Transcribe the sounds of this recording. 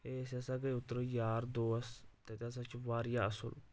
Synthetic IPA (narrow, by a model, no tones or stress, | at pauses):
eːsəsaːɡəiʊt̪ːɾoːjaːɾd̪oːst̪et̪es̬at͡ʃʋaːɾjaːəsə̰l